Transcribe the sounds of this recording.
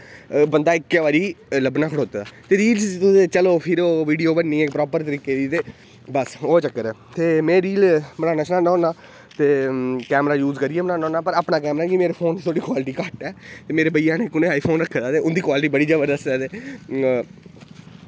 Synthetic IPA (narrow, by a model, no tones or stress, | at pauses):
bənd̪aːɪkːeːʋaːɾiːləbnaːkʰɽoːt̪ːd̪aːt̪eːɾiːlt̪ʊet͡ʃəloːpʰɪɾoːʋiːɖijoːbənːiːɛːkpɾɔːpəɾt̪əɾiːkeːd̪iːt̪eː | bəsoːt͡ʃəkːəɾɛːt̪eːmẽːɾiːlbəɽaːnaːʃnãːnãːnaː | t̪eːkɛːmɾaːjuːzkəɾijeːmnãːnɔ̃ːnaːpəɾaːpnaːkɛːmɾaːkimeːɾeːpʰoːnːʰoːɽiːkwaːlʈiːkaːʈɛːt̪eːmeːɾeːbəijãːneːkʊnẽːaːipʰoːnɾəkʰːd̪aːt̪eːʊnd̪iːkwaːlʈiːbəɽiːd͡ʒəʋəɾd̪əsdaːd̪eː